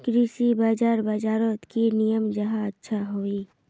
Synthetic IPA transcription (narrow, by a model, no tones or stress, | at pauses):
kɾiːsibaːd͡ʒaːɾbaːd͡ʒaːɾot̪kinijəmd͡ʒɐɦãɐtːʃʰaɦoːi